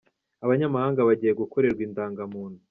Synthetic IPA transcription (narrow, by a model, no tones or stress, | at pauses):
aβaɲamahaːŋɡaβaɟiːje̞ɡuko̞ɾe̞ɾɡwiːntaːŋɡamuːn̥hu